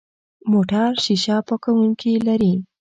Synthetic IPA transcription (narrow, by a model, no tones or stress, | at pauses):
moʈaɾʃiʃapəkawuŋkilaɾi